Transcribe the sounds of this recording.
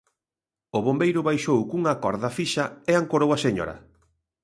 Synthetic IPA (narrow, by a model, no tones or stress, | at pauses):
ʊβombejɾʊβajʃowkuŋakɔɾðɐfiʃɐeaŋkoɾowaseɲɔ̰ɾɐ̰